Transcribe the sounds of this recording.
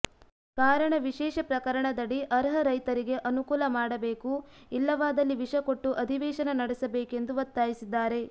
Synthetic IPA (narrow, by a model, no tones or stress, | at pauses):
kaːɾɐɳɐʋiʃɛːʃɐpɾɐkɐɾɐɳɐd̪ɐɽiʔɐɾɦɐɾɐjt̪ɐɾiɡe̞ʔɐnukuːlɐmaːɽɐbeːku | ilːɐʋaːd̪ɐlːiʋiʂɐko̞ʈːuʔɐd̪ʱiʋɛːʃɐnɐnɐɽesɐbeːke̞nd̪uʋɐt̪ːaːjisid̪ːaːɾe̞